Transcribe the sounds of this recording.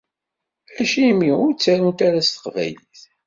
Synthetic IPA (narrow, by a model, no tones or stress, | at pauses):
æʃimiʊɾt͡sːæɾunt̪aɾæst̪ə̥qvæ̰jliθ